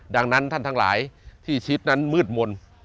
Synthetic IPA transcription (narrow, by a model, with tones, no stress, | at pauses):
da˧ŋna˦˥nt̪ʰa˥˩nt̪ʰa˦˥ŋla̰ː˩˦jt̪ʰiː˥˩t͡ɕʰi˦˥t̪̚na˦˥nmɯː˥˩t̪̚mo˧n